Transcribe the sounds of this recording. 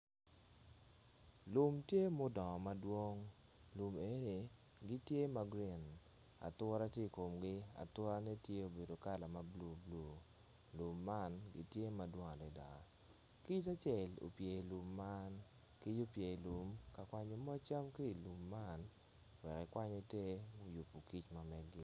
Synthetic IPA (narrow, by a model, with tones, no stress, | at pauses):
lu˨mtje˦mo˦dɔ˨ma˦dwo˦ŋ | lu˨me˨˦ni˨ | ɡɪ˦tje˦ma˦ɡɾi˨n | a̰˨t̪wɔ˦ɾa˦tje˦˨ko˨mɡɪ˦a̰˨t̪wɔ˦ɾa˦nɛ˦tje˦o˨be˨do˨ka˦la˨ma˦blo˨blo˨ | lu˨mːa˦nɡɪ̰˦tje˦ma˨dwo˦ŋa˨dɛ˨da̰˨ | ki˦t͡ʃa˦t͡ʃɛ˨lo̰˨pje˨i˨lu˨mːa˦n | ki˦d͡ʒo˦pje˨i˨lu˨mka˨kwa˦ɲo˨mɔ˦t͡ʃa˦mki˦i˨lu˨mːa˦n | wɛ˨kɛ˨kwa˦ɲe˦te˦mo˦ju˨pu˨ki˦t͡ʃma˨mɛ˨ɡɪ˦